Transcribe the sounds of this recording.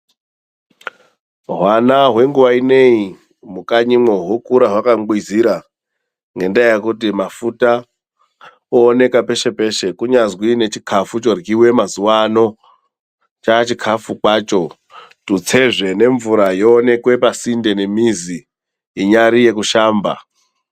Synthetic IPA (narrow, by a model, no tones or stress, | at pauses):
ɦwanaɦwe̞ŋɡuʋaine̞i | mukaɲimoɦwokuɾaɦwakamɡwiziɾa | ŋɡe̞ndajekutimafuta | oːne̞kape̞ʃe̞pe̞ʃe̞kuɲazwine̞t͡ʃikʰafut͡ʃo̞rɡiwe̞mazuwano̞ | t͡ʃat͡ʃikʰafukwat͡ʃo̞ | tut͡se̞ʐe̞ne̞ɱvuɾajoːne̞kwe̞pasinde̞ne̞miziː | ɲaɾije̞kuʃaːmba̰